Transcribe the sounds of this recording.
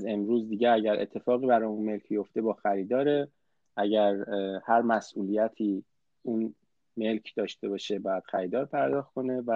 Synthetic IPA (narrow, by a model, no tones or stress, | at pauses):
ze̞mɾuːzd̪iːɟeæɟæɾʔe̞̰t̪ʰːe̞fɒːɣiːbæɾɒːjunme̞lcʰbijo̞ft̪e̞bɒːxæɾiːd̪ɒːɾe | ʔæɟæɾhæɾmæsʔulijæt̪ʰiː | un | me̞lcʰd̪̥ɒːʃt̪e̞bɒːʃe̞bɒːjæd̪̥xæɾiːd̪ɒːɾpʰæɾd̪ɒːxtkʰo̞ne̞væ